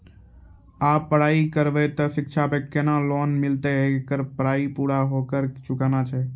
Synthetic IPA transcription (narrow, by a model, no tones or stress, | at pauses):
aːpːəɽaːikəɾʋet̪əsɪkt͡ʃʰapẽkenãloːnmɪlt̪eekəɾpəɽaːipuːɽaɦoːkəɾt͡ʃʊkaːnat͡ʃʰɛː